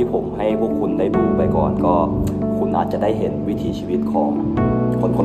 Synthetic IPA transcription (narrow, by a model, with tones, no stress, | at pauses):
iː˥˩pʰo˩˦mɦa˥˩jpʰu˥˩kʰːu˧nːda˧jpʰiː˧pa˧jkɔ̰ː˨˩nkɔː˥˩kʰu˧nla̰ː˦˥˩t͡ɕa˨˩daː˥˩jɦe˩˦nwi˦˥t̪ʰiː˨˦t͡ɕʰiː˧wi˦˥t̪̚kʰɔː˩˦ŋ | kʰo˧˥nkʰo˧˦